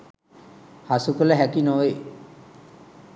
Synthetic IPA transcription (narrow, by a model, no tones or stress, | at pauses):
hasukələɦækinoʋe